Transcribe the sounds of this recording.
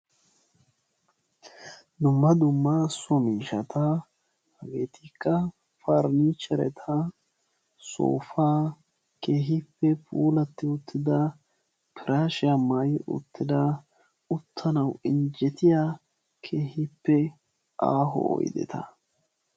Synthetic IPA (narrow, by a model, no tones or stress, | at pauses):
d̪ʊmːɐd̪ʊmːasɔmiːʃɐt̪ɐ | hɐɡeːt̪ikːɐ | faɾniːt͡ʃːɛɾɛ̰t̪ʰɐ | so̰ːfaː | ke̞ːɦɪpːɛpuːlɐt̪ːɪʊt̪ʰːɪd̪ɐ | pʰɪɾaːʃɪjɐmːajʔʊ̰t̪ːɪd̪ɐ | ʊt̪ʰːɐnɐwɪnd͡ʒɛt̪ɪjaː | kʰeːhɪpːɛ | ʔa̰ːɦɔ̰ɔ̰jd̪ɛ̰t̪ɐ̰